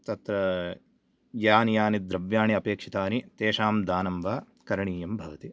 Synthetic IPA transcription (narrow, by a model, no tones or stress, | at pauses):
t̪ɐt̪ɾɐ | jaːnijaːnid̪ɾɐʋjaːɳiɐpeːkʂit̪aːnit̪eːʂaːmd̪aːnɐmʋaː | kɐɾɐɳiːjɐmbʱɐʋɐt̪i